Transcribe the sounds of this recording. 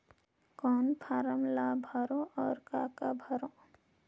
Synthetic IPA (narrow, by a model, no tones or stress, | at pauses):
kɔːnpʰaːɾəmlabʱəɾõʔɔːɾkaːkabʱəɾõ